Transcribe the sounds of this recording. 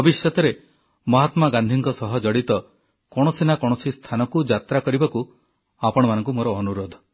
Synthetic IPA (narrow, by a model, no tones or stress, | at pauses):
bɔbisjɔt̪ɔɾe | mɔɦat̪maɡand̪ʱiŋkɔsɔɦɔd͡ʒɔɽit̪ɔ | kɔɽ̃ɔsinakɔɽ̃ɔsist̪ʰanɔkud͡ʒat̪ɾakɔɾibaku | apɔɽ̃ɔmanɔŋkumoɾɔːnuɾod̪ʱɔ̥